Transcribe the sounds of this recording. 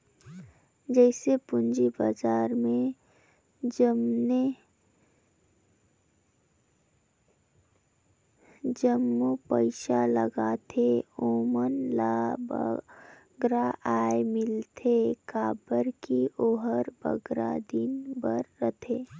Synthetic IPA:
d͡ʒɛːsepʊnd͡ʒibazaːɾmẽ | d͡ʒəmne | d͡ʒəmːupəɪʃaləɡaːt̪ʰeoːmənlab | ɡɾaʔaːemɪlt̪ʰekaːbəɾkioːɦəɾbə̰ɡɾa̰d̪inbəɾːət̪ʰeː

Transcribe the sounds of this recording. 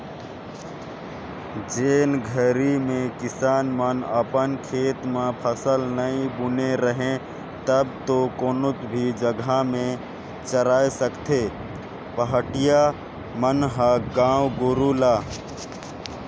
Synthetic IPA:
d͡ʒeːnɡʱəɾimẽkɪsaːnmənəpənkʰeːt̪mẽpʰəsəlnəĩbʊneɾəɦẽ | t̪əbt̪okoːnʊt̪bʱid͡ʒəɡamẽ | t͡ʃəɾaːesəkt̪ʰeː | pəɦəʈɪja | mənɦəɡãːwɡoɾulaː

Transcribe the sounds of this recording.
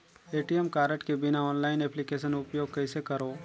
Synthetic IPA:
eːʈiemkaːɾəʈkebɪnaɔːnlaːɪnɛːplikeːʃ̬ənʊpjoːɡ̚kɛɪsekɐɾoː

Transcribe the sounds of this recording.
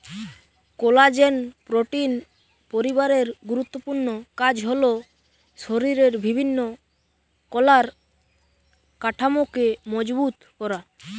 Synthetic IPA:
kolad͡ʑenpɾoʈin | poɾibaɾeɾɡuɾut̪ːopuɾnokad͡ʑɦolo | ʃoɾiɾeɾbibʱinːo | kɔlaɾ | kaʈʰamokemɔd͡ʑbut̪kɔɾa

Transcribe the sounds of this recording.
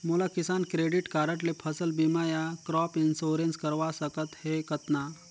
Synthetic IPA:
molakɪsaːnkɾeːɖɪʈkaːɾəʈlepʰəsəlbimaːjakɾɔːpɪnsoːɾenskəɾʋasəkət̪hekət̪na

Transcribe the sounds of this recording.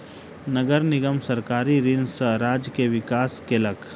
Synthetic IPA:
nəɡəɾnɪɡəmsɐɾkaːɾiɾɪnsəɾaːd͡ʒkeʋɪkaːskelək

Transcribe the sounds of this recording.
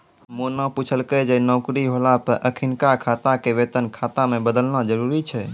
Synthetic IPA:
monãput͡ʃʰəlkəd͡ʒenɔʊkɾiɦolapəɾʔəkʰinkakʰat̪akeʋet̪ənkʰat̪amẽbəd̪əlnad͡ʒəɾuɾit͡ʃʰɛ

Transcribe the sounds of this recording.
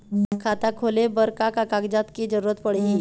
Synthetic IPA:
kʰat̪akʰolebəɾkakakaɡd͡zat̪kid͡ʑəɾuɾət̪pəɽi

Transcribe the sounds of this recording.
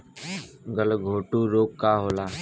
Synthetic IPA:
ɡəlɡʱoːʈuːɾoːkːaːɦoːlaː

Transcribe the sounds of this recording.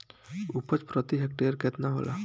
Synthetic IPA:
upət͡ʃpɾət̪iɦɛk̚ʈeɾkɛt̪naɦo̰la̰

